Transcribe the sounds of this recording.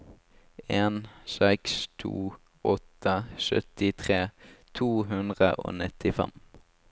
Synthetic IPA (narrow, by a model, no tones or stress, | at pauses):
eːnsɛkst̪ʰṵː | ɔt̪əʃœ̰t̪ɪt̪ʰʁeːt̪ʰuːɦʉnd̪ʁə̰ʔo̰ːnɪt̪ɪfɛ̰m